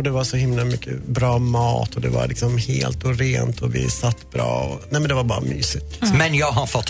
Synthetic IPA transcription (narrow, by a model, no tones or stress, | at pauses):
d̪ɛvaʂɔhɪmlamʏkʰːəbɾɑːmɑːt̪ʰɔd̪ɛva̰ɾlɪksɔmheːlt̪ʊɾeːnt̪ʰɔvɪ̰sat̪ːbɾɑːɔnɛɪmɛnd̪ɛvaɾbɑːɾamyːsɪt̪mɛnjɑːɡɦaɾfɔt̪ː